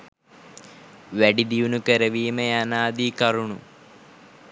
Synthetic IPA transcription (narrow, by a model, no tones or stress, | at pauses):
ʋeɖid̪iunukeɾɐʋiːmejanaːd̪iːkɐruɳṵ